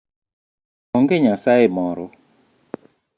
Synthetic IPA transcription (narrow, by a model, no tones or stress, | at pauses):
ɔŋɡeɲasaɪmɔɾɔ